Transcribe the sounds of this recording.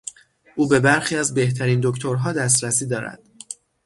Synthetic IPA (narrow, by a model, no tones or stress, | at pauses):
ʔuːbe̞bæɾxiːæzbe̞ht̪ʰæɾiːnd̪o̞ct̪ʰoɾɦɒːd̪æs̬t̪ɾæsiːd̪ɒːɾæ̰d̪̥